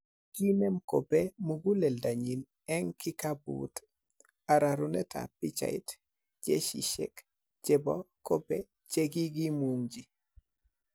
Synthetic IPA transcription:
ɡ̥inɛmkopɛmuɡulɛldaɲin | ɛŋkikabṵt | aɾaɾunɛtʰa̰pit͡ʃa̰ḭt | d͡ʒḛʃḭʃɛ̰k | d͡ʒɛbɔkobɛ | t͡ʃeɡiɡimuŋd͡ʒi

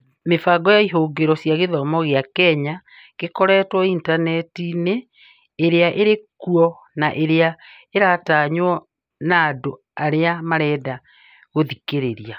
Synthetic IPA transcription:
mefaɡɔjaiɦoːɡeɾɔsjaɣeðɔmɔɣeakɛɲa | ɣekɔɾɛtwɔintanɛtineː | ɾeaʔeɾekuɔ | naʔeɾea | eɾataɲwɔ | naːdo | aɾeamaɾɛːda | ɣoðikeɾeɾia

